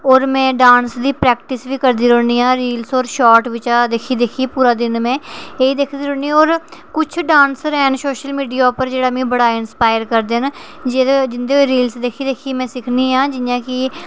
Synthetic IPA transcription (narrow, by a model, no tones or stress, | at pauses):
ɔːɾmɛ̃ːɖãːnsd̪iːpɾɛːkʈɪsʋiːkəɾd̪iːɾoːniːãːɾiːlsɔːɾʃɔːʈʋɪt͡ʃaːd̪eːkʰiːd̪eːkʰiːpuːɾaːd̪ɪnmɛ̃ːeːiːd̪eːkʰd̪iːɾõːɳiːoːɾkʊt͡ʃʰɖãːnsɾɛːnsoːʃəlmiːɖijaːʊpəɾd͡ʒeːɽaːmĩːbəɽaːɪnspaːjəɾkəɾd̪en | d͡ʒd͡ʒɪnd̪eːoɾiːlsd̪eːkʰiːd̪eːkʰiːmɛ̃ːsɪkʰniːɦãːd͡ʒɪjãːkɪ